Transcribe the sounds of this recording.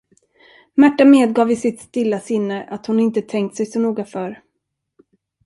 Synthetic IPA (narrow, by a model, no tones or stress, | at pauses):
mæʈːameːd̪̚ɡɑːvɪsɪt̪st̪ɪlːasɪnːəʔat̪hʊnɪnt̪ət̪ʰɛŋk̚t̪sɛjsɔnuːɡafœɾ